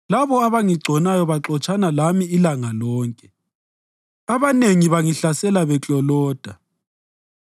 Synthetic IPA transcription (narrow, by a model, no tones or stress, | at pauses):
laβɔaβaŋiɡ͡ǀʱɔnajɔβaǁɔt͡ʃʼanalamiːlaŋalɔːŋkʼɛ | aβaneŋiβaŋiɬasɛlaβɛt͡ɬʼɔlɔːd̥ʱa